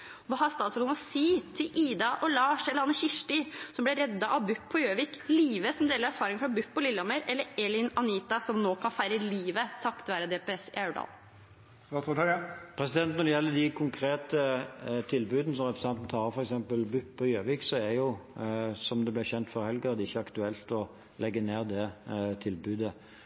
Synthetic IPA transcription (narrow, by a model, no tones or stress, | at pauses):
ʋɑːhɑɾst̪ɑːt̪sœlʊnɔsiːt̪ʰɪlʔiːd̪ɑʔɔlɑːʂɛləɾɑnəɕɪʂʈɪsɔmblɛɾɛd̪ːɑʔɑʋbʉpʰːɔjøːʋɪkliːʋəsɔmd̪eːləɾæɾfɑːɾɪŋfɾɑbʉpːɔlɪlːɔməɾɛlːəɛlɪnɑniːt̪ɑsɔmnoːkʰɑnfæɪɾəliːʋət̪ʰɑkt̪ʋæːɾəd̪ɛːpɛɛsɪ̰æʉɖɑ̰ːl | ɑt̪ːpʰɾɛsɪd̪ɛnt̪nɔɾd̪ɛjɛlːəd̪ɪkʰʊŋkʰɾeːt̪ət̪ʰɪlbʉːd̪ənəsɔmʁɛpɾəsɛnt̪n̩t̪ʰɑːʁəfɔɾɛksɛmpəlbʉpːʰɔjøːʋɪksɔɛɾjʊ | sɔmd̪ɛblɪɾçɛnt̪fɔɾhɛlɡəɾəd̪ɛɪçːəɑkt̪ʉɛlt̪ɔ | lɛɡːəneːɾd̪ɛt̪ʰɪlbʉːd̪ə